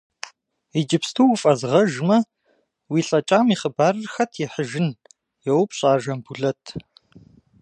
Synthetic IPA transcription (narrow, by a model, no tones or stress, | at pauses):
id͡ʒɪpstʰuːwfʼɐzʁɐʒmɐ | wiːɬʼɐt͡ʃʼaːmiːχəbaːrɨrxɐtʰjɛħəʒɪn | jɛwpɕʼaːʒɐmbuɮɐtʰ